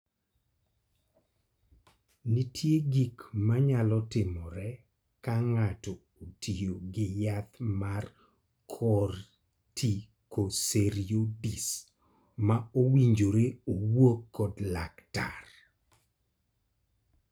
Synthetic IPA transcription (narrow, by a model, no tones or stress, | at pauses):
nitʰjeɡikmaɲalɔtɪmɔɾɛ | kaŋatɔ | otʰijoɡɪjat̪mar | kʰɔr | tʰi | koseɾiodis | maowiɲd͡ʒoɾeowokːɔdlakta̰r